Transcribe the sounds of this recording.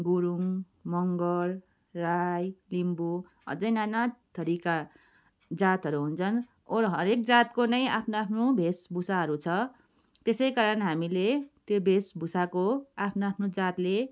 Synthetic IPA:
ɡuɾuŋ | mʌŋɡʌrː | ajlimbu | ʌ̰d͡zʌjnanat̪ʌɾika | d͡zat̪ɦʌɾuɦunt͡sʰʌn | oɾɦʌɾekd͡zat̪konʌjapʰnoapʰnobʱesbusaɦʌɾut͡sʰʌ | t̪esʌjkaɾʌnɦamilet̪jobʱesbusakoapʰnoapʰnod͡zat̪le

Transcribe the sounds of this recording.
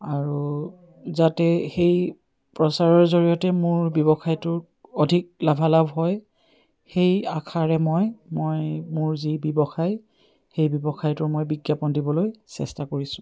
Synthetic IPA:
aɹu | zatɛxej | pɹɔsaɹɔɹzoɹijɔtɛmʊɹbjɔbɔxʰajtʊɹ | ɔdʱik̚labʱalabʱɦɔj | xejakʰaɹɛmɔjmojmʊɹzibɔbɔxaj | xejbjɔbɔxʰajtʊɹmojbiɡjapɔndibɔlojsɛ̰stakoɹisʊ̥̃

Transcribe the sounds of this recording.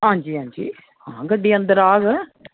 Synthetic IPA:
ɦãːd͡ʒiːɦãːɲd͡ʒḭː | hãːɡəɖiːənd̪əɾaːɡ

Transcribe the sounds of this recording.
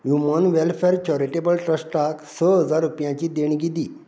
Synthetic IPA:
ɦjumənʋɛlfɛɾt͡ɕɔɾeʈebəlʈɾəsʈaksəɦəd͡zaɾːupjãt͡ɕid̪eɳɡid̪i

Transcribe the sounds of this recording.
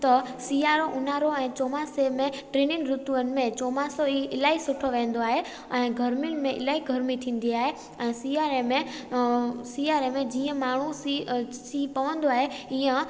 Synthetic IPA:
t̪ɐsiːaːɾoʔʊn̤aːɾoɛ̃ːt͡ɕoːmaːsemẽʈɾeːnɪnɾʊt̪uənɪ̆mẽt͡ɕoːmaːsoiɪlaːisʊʈʰoʋẽːnd̪oaːɦe | ɛ̃ːɡʱɐɾmɪnmẽʔɪ̰laːiɡʱɐɾmit̪ʰĩːn̆d̪iaːɦe | ɛ̃ːsiaːɾemẽ | siaːɾemẽd͡ʑiːə̃maːɳ̤u | siːpɐʋə̃nd̪oaːɦeiːə̃

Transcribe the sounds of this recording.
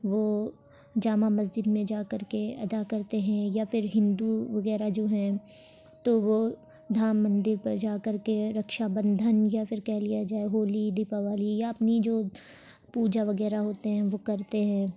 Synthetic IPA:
ʋo | d͡ʒaːmamɐzd͡ʒɪd̪mẽd͡ʒaːkɐɾkeɐ̰d̪akɐɾt̪eɦɛ̃japʰɪɾɦɪ̃nd̪uʋɐɣɛːɾad͡ʒoːɦɛ̃ | t̪oʋo | d̪ʱaːmːɐ̃nd̪ɪɾpɐɾd͡ʒaːkɐɾkeɾɐkʃabə̃nd̪ʱənjapʰɪɾkɛːlijad͡ʒaːeɦoːlid̪ɪpaʋaːlijaɐpnid͡ʒoː | puːd͡ʒaʋɐɣɛːɾaɦoːt̪eɦɛ̃ʋokɐɾt̪eɦɛ̃ː

